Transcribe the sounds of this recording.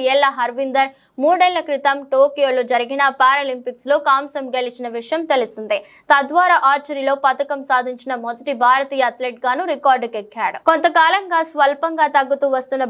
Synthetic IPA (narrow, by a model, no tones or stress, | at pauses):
ɛːlːɐɦɐɾʋind̪ɐɾ | muːɖɛlɐkɾit̪ɐmʈoːkijo̞ːlod͡ʒɐɾiɡinɐpaːɾaːlimpikslo̞ːkaːmsɐmɡeɭit͡ʃinɐʋiʂɐjɐmt̪e̞lusind̪i | t̪ɐd̪ʋaːɾaːʔaːɾt͡ʃɐɾilo̞ːpɐt̪ɐkɐmsaːd̪ʱiɲt͡ʃinɐmod̪ɐʈibʱaːɾɐt̪iːjɐɐt̪leːʈ̚ɡaːnuɾikaːɾɖkekːaːɽukont̪ɐkaːlɐŋɡaːsʋɐlpɐŋɡaːt̪ɐɡːut̪uːʋɐst̪unːɐ